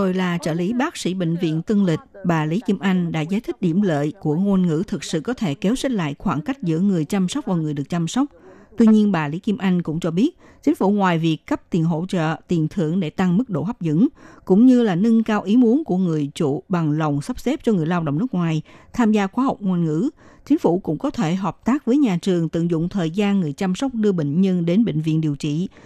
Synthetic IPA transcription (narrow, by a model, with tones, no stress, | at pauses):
t̪o˧jlaː˨˩t͡ɕəː˧˩li˨˦ɓaː˦˥k̚sḭ˧˥ɓḛ˧˨ŋ̟vḭ˧˨ənt̪ɨ˧ŋlï˨˩k̟̚ɓaː˨˩li˨˦ki˧əmʔa˧jŋ̟ɗa̰ː˧˥zaː˨˦jt̪ʰï˦˥k̚ɗi˧˩əmlə̰ː˧˨jku˧˩əŋo˧nŋɨ̰˧˥t̪ʰɨ˨˩k̚sɨ̰˧˨kɔ˨˦t̪ʰe˧˩ke˨˦wsi˦˥t̚la̰ː˧˨jxwaː˧˩nka˦˥jk̟̚zɨ̰˧˥əŋɨ˨˩əjt͡ɕa˧msa˦˥k͡p̚vaː˨˩ŋɨ˨˩əjɗɨ˨˩ək̚t͡ɕa˧mswk͡p̚t̪wi˧ɲi˧ənɓaː˨˩li˨˦ki˧mʔa˧jŋ̟kʊ̰˧˥ŋ͡mt͡ɕɔ˧ɓi˦˥ət̚ | t͡ɕi˨˦ŋ̟fu˧˩ŋwaː˨˩jvi˨˩əkːə˦˥p̚t̪i˨˩ənɦo̰˧˨t͡ɕə̰ː˧˨t̪i˨˩nt̪ʰɨ˧˩əŋɗe˧˩t̪a˧ŋmɨ˦˥k̚ɗo̰˧˨ha˦˥p̚zɨ̰˧˥ŋkʊ̰˧˥ŋ͡mɲɨ˧laː˨˩nɨ˧ŋkaː˧wʔi˨˦mu˨˦ənku˧˩əŋɨ˨˩əjt͡ɕṵ˧˨ɓa˨˩ŋlə˨˩wŋ͡msə˦˥p̚se˦˥p̚t͡ɕɔ˧ŋɨ˨˩əjlaː˧wɗə̰˧˨wŋ͡mnɨ˦˥k̚ŋwaː˨˩jt̪ʰaː˧mzaː˧xwaː˨˦ɦa˨˩wk͡p̚ŋaː˧jnŋɨ̰˧˥t͡ɕï˨˦ŋ̟fu˧˩kʊ̰˧˥ŋ͡mkɔ˨˦t̪ʰe˧˩ɦɔː˨˩p̚t̪aː˦˥k̚vəː˨˦jɲaː˨˩t͡ɕɨ˨˩əŋt̪ɨ̰˧˨ŋzʊ̰˧˨ŋ͡mt̪ʰəː˨˩jzaː˧nŋɨ˨˩əjt͡ɕa˧msɔ˦˥wk͡p̚ɗɨ˧əɓḭ˧˨ŋ̟ɲə˧nɗe˨˦nɓḭ˧˨ŋ̟vḭ˧˨ənɗi˨˩əwt͡ɕḭ˧˨